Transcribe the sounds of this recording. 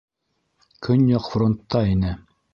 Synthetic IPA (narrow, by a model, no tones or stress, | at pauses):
kʰɵnjɑqfront̪ːɑinɘ